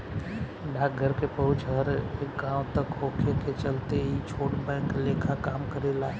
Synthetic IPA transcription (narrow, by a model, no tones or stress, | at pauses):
ɖʱaːk̚ɡʱəɾkepəɦʊt͡ʃʰɦəɾekɡãːwt̪əkɦoːkʰeket͡ʃəlt̪eɦit͡ʃʰoːʈbɛ̃ːŋkleːkʰakaːmkəɾelaː